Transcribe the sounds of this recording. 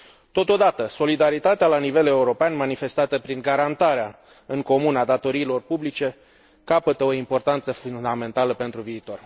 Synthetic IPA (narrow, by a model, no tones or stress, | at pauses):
t̪o̞t̪o̞d̪at̪əso̞lid̪aɾit̪at̪ealanive̞le̞uɾo̞peanmanife̞st̪at̪əpɾiŋɡaɾant̪aɾea | ɨŋko̞munad̪at̪o̞ɾiːlo̞rpublit͡ʃe̞ | kapət̪əoimpo̞rt̪ant̪səfund̪ame̞nt̪aləpe̞nt̪ɾuviːt̪o̞r